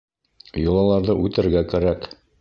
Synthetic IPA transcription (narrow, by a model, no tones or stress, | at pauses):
jŏlˠɑlˠɑɾðɤʔʉt̪ɘ̆ɾɡækæɾæk